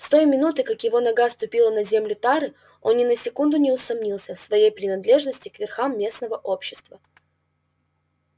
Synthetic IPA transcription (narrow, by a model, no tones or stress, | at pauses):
st̪o̞jmʲɪnut̪ɨkakjɪvo̞nɐɡast̪ʊpʲilˠənɐzʲemlʲʊt̪aɾɨ | o̞nːʲɪnəsʲɪkund̪ʊnʲɪʊsɐmnʲilˠsʲəfsvɐjejpɾʲɪnɐd̪lʲe̞ʐnəsʲtʲɪkvʲɪrxamːʲe̞snəvəʔo̞pɕːɪ̥st̪və